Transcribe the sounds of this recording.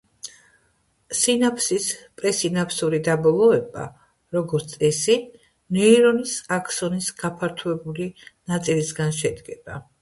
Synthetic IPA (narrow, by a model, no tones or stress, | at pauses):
sinapʰsispʼɾɛsinapʰsuɾid̪abɔlˠɔɛba̰ | ɾɔɡɔɾt̪sʼɛsi | nɛiɾɔnisakʰsɔnisɡ̥apʰaɾt̪ʰuɛbulinat̪sʼilisɡanʃɛd̪ɡɛb̥a